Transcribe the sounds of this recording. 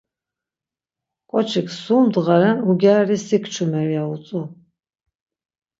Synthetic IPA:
kʼɔt͡ʃʰikʰsuːmd̪ʁaɾɛnuɡʲaːɾisikʰt͡ʃʰumɛɾiaut͡sʼu

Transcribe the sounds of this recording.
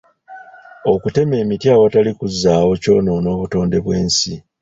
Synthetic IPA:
o̞kute̞me̞ːmitjaːwatalikuzːaːwo̞co̞̰ːno̞no̞ːβuto̞ːnde̞βwe̞ːnsi

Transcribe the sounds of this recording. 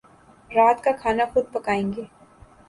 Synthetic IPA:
ɾaːt̪kakʰaːnaxʊd̪̚pɐkaːẽːŋɡeː

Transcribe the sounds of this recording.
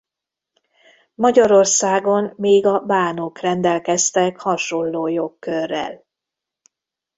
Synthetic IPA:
mɒɟɒɾo̞rsaːɡo̞mmeːɡɒbaːnokrɛnd̪ɛlkɛst̪ɛkhɒʃo̞lːoːjokːørːɛ̰l

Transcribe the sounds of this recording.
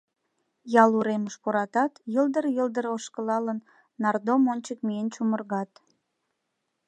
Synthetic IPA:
jɑluɾeməʃpoɾɑt̪ɑt̪jəld̪əɾjəld̪əɾoʃkəlɑlənː | ɑrd̪omonʲt͡ɕəkmient͡ɕumərɣɑt̪

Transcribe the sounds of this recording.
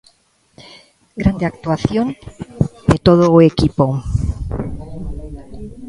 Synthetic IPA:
ɡɾand̪eak̚t̪waθjon | d̪et̪oð̞oekipo

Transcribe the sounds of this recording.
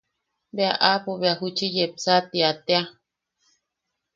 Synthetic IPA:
beaʔapoβeaɦut͡ʃijepsat̪iat̪ea

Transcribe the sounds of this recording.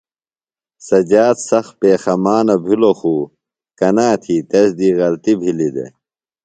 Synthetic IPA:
sɐd͡ʑaːt̪sɐxpeːxɐmaːnɐbʱiloxuː | kɐnaːt̪ʰiːt̪esd̪iːɣɐlt̪ibʱilid̪ḛ

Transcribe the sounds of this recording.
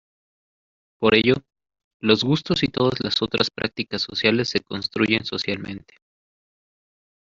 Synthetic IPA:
po̞ɾe̞ʝo | lo̞zɣust̪o̞sit̪o̞ðazlaso̞t̪ɾaspɾʔa̰k̚t̪ikasːo̞sjale̞sːe̞ko̞nst̪ɾuʝe̞nso̞sjalmʔẽ̞̰nt̪e̥

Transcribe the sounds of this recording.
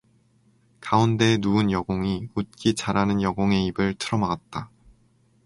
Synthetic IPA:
kaunde̞nuɯnjʌɡoŋiut̚k͈it͡ɕaɾanɯnjʌɡoŋe̞ibɯɭtʰɯɾʌmaɡat̚t͈a

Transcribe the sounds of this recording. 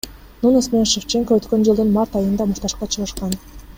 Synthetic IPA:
nunosmeʃeft͡ʃeŋkoøt̪kø̞nd͡ʒɯlˠd̪ɯnmaɾt̪ɑjɯnd̪ɑmuɾt̪ɑʃqɑt͡ʃʰɯʁɯʃqɑn

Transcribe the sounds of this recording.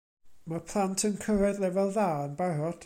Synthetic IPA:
mapʰlˠantʰənkʰəɾɛðlˠɛvɛlˠðaːnbaɾɔd̥

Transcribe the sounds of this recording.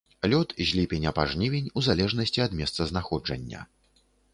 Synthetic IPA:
lʲɔt̪ʑʲlʲipʲenʲɐpaʐnʲivʲenʲuzalʲɛʐnɐsʲt͡sʲiɐd̪mʲɛst̪sɐznaxɔd͡ʐɐ̰nʲːɐ̰

